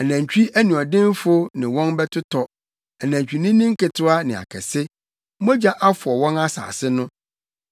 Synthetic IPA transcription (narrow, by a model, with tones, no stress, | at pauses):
æ˨næ̃˨ɲ˨t͡ɕᶣi˦ʔæ˦nũ˨ɔ˨dɪ̃˦n˦fʊ˦nɪ̃˨wɔ̃˦nbɛ˦tʰʊ˦tʰɔ˨ | æ˨næ̃˨ɲt͡ɕᶣi˨nĩ˦nɪ̃˦ŋ̩˦kɪ˨tʰʊ˦a˦nɪ̃˨a̰˨kʰɛ̰˨sɪ˦ | mɔ˦d͡ʑa˦ʔa˦fʊ˨ɔ˨wɔ̃˦na˦sa̰ː˨sɪ˦nʊ̃˦